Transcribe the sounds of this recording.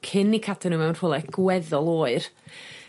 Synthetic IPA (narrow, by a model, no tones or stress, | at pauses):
kʰɪnikʰatʰɛnuːmawnroːlˠɛɡ̥wɛðɔlˠoːɨr